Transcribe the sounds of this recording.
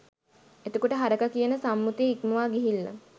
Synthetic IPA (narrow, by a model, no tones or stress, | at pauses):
et̪okoʈəɦaɾəkakijənəsamːut̪eikməʋaːɡiɦilːa̰